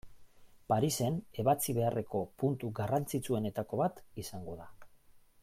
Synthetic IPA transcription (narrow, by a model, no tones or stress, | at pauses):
paɾise̞ne̞βat͡siβ̞e̞are̞ko̞punt̪uɡarant͡sit͡sue̞ne̞t̪ako̞βat̪isaŋɡo̞ða